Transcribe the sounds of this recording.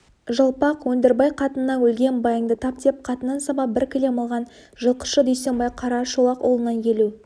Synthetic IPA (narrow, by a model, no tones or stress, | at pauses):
ʒəlˠpɑqwɵnd̪eɾbɑjqʰɑt̪ənːɑwɵlɡʲe̞nbɑjəŋd̪ət̪ʰɑp̚t̪ep̚qʰɑt̪ənɑnsɑbɑp̚bɪɾkʲʰɪle̞məlˠʁɑn | ʒəlˠqə̥ʃəd̪ɵjse̞nbɑjqʰɑɾɑʃolˠɑqolˠənɑnkʲʰe̞lu